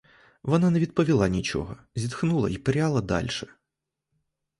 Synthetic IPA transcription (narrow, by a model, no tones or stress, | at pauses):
ʋɔnɑnɛʋʲid̪̚pɔʋʲilˠɑnʲit͡ʃɔ̰ɦɔ | zʲid̪xnulˠɐ̰ipeɾʲɑlˠɐd̪ɑ̰lʲʃɛ